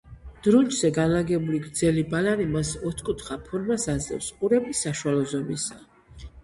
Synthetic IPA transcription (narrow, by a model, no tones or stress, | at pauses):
d̪̥ɾund͡ʒzɛɡanlaɡɛbuliɡɾd̪zɛlibalaɾimasɔt̪ʰkʼut̪ʰχapʰɔɾmasazlɛ̰fsqʼuɾɛbisaʃualˠɔzɔmisa